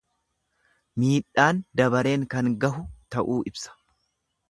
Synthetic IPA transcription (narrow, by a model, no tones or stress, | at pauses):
miːᶑaːnd̪ɐbɐɾe̞ːŋkɐŋɡɐɦʊt̪ɐʔuːʔɪbsɐ̥